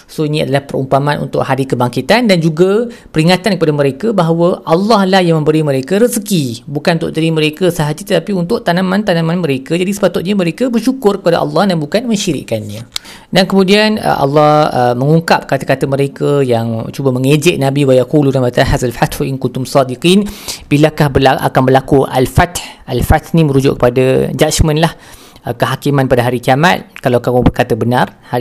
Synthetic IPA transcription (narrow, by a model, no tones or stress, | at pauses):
soinĩa̰dalapərɾumpamanṵnt̪ʊ̰ʔhadikəbaŋkit̪andand͡ʒuɡapəɾiŋat̪ankəpadaməɾekəbaɦawəʔɑlːɑhlahjaŋmə̃mbəɾiməɾekəɾəsəkibukanunt̪ʊ̰ʔdəɾiməɾekəsaɦad͡ʒit̪ət̪apiunt̪ʊʔt̪anãmãnt̪anãmãnməɾekəd͡ʒadisə̥pat̪ʊt̪̚ɲaməɾekəbərʃukʊrkəpada̰ʔɑ̰lːɑhdanbukanmə̃ɲʃiɾḭʔkanɲə | dankəmũdianə̰ʔɑ̰lːɑhəməŋuŋkap̚kat̪akat̪əməɾekəjaŋt͡ʃubaməŋed͡ʒɪʔ̚nãbiwajakuludanbat̪aɦazalfat̪hʔinkunt̪ʊmsɑdiqinb̥ilakahbəlaʔa̰kanbərlakuʔa̰lfat̪hʔalfat̪nimə̃ɾud͡ʒʊ̰ʔkːə̥padad͡ʒat͡ʃmə̃nlah | kəɦakimãnpadaɦaɾikiama̰t̪̚kalawkamʊbərkat̪əbənarha